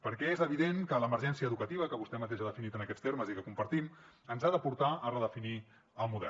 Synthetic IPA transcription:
pəɾkɛezəβiðeŋkələməɾʒɛnsiəːðukət̪iβ̞əkəβust̪ɛmət̪eʒaðəfinit̪ənəkɛt͡st̪eɾməzikəkumpəɾt̪im | ənzaðəpuɾt̪aərəðəfini | əlˠmuðɛ̰l

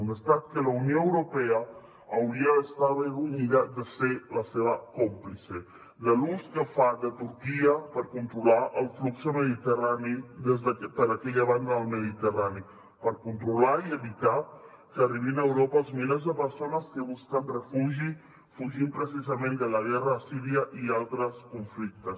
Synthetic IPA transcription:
nəst̪at̪̚kəlaunjoəwɾupɛaː | wɾiaːst̪aβeɣuɲiðad̪əselaseβ̞akomplise | ləluskəfad̪ət̪uɾkiəpəɾkunt̪ɾulaʔəlˠflukzəməðit̪əraniðezðpəɾəkɛʎəβand̪əəlˠməðit̪ərani | pəɾkunt̪ɾulaiəβit̪a | kəːriβ̞inaəwɾopəlˠzmilezðəpəɾsonəskəβuskənrəfuʒi | fuʒimpɾəs̬izəmẽnd̪ələɣɛrəːsiɾiəʔialˠt̪ɾəskuɱflik̚t̪əs

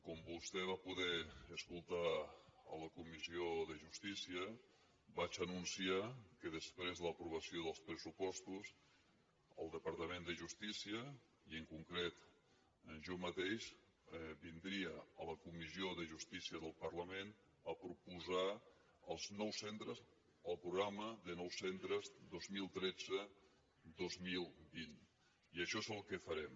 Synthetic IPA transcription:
kɔmbust̪ɛβ̞apuðɛəskulˠt̪aə̰ləkumizioðəʒust̪isiə | bat͡ʃənunsiakəðəspɾezðələpɾuβ̞əsioðəlˠspɾəsupɔst̪us | əlˠd̪əpəɾt̪əmend̪əʒust̪isiə | iəŋkuŋkɾet̪ | ʒɔmət̪eʃ | ɛβind̪ɾiəələkumizioðəʒust̪isiəðəlˠpərləmen | əpɾupuza | əlˠznɔwsent̪ɾəz | əlˠpɾuɣɾaməðənɔwsent̪ɾəzd̪ozmilˠt̪ɾɛd͡zə | d̪ozmilˠbin | iəʃɔezəlˠkəfəɾɛm

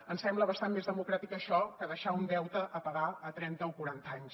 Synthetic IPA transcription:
ənsɛmbləβəst̪anmezðəmukɾat̪ikəʃɔkəðəʃaund̪ɛwt̪əʔəpəɣaət̪ɾɛnt̪əokuɾant̪aɲs

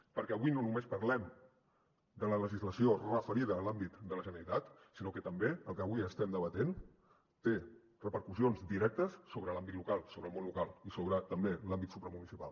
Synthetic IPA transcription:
pəɾkɛəβujnonumespəɾlɛm | d̪ələləʒizləsiorəfəɾiðəːlambit̪d̪ələʒənəɾit̪at̪ | sinokət̪əmbeəlˠkəβuiəst̪ɛmd̪əβət̪en | t̪e | rəpəɾkusionzd̪iɾɛk̚t̪əsːoβɾəlambit̪lukalˠsoβɾəlˠmõnlukalˠisoβɾət̪əmbelambit̪supɾəmunisipa̰lˠ

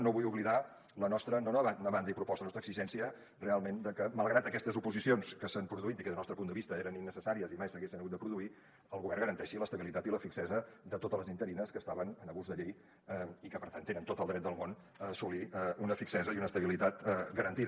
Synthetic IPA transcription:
noβujuβliða | lənɔst̪ɾənonoβanoβand̪ipɾupɔst̪əlnɔst̪ɾəɡ̥sziʒɛnsiə | realˠmend̪əkəməlˠɣɾat̪əkɛst̪əzupuzisionskəsəmpɾuðuit̪ikəðlnɔst̪ɾəpund̪əβist̪əeɾəninːəsəsaɾiəzimajsəɣesinəɣut̪əpɾuðui | əlˠɣuβɛrŋɣəɾənt̪ɛʃiləst̪əβilit̪at̪iləfiksɛzəðət̪ot̪ələzint̪əɾinəskəst̪aβənənəɣuzðəʎej | ɛikəpəɾt̪ant̪ːenənt̪ot̪əlˠd̪ɾɛt̪̚d̪əlˠmon | əːsuliəunəfiksɛzəiunəst̪əβilit̪at̪ɡəɾənt̪ið

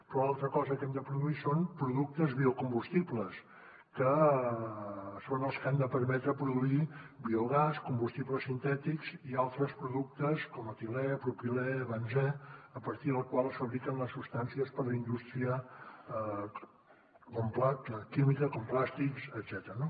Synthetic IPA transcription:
pɾɔalˠt̪ɾəkɔzəkɛmd̪əpɾuðuisonpɾuðuk̚t̪əzβiukumbust̪ipləs | kə | sonəlˠskamd̪əpəɾmɛt̪ɾəpɾuðuibiuɣaskumbust̪ipləsːint̪ɛt̪ikz̥ialˠt̪ɾəspɾuðuk̚t̪əskɔmət̪ilɛpɾupilɛβənzɛəpəɾt̪iðəlˠkwalˠəsfəβɾikənləsːupst̪ansiəspəɾləind̪ust̪ɾiə | komplakimikəkomplast̪iksəd̪z̥ɛt̪əɾəno

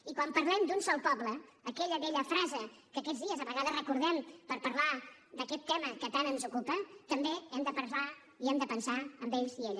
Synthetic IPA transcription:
ikwampəɾlɛmd̪unsɔlˠpɔbləːkɛʎəβɛʎəfɾazəkəkɛd͡zðiəzəβəɣaðəzrəkuɾð̞ɛmpəɾpəɾlad̪əkɛt̪ːɛməkət̪anənzukupət̪əmbeɛmd̪əpəɾla | iɛmd̪əpənsaəmbeʎzieʎ

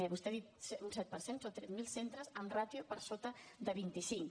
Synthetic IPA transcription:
ɛβust̪ɛðit̪̚suns̬ɛt̪̚pəɾsensot̪ɾɛt̪milˠsent̪ɾəzənrat̪jupəɾsot̪əðəβint̪isiŋ

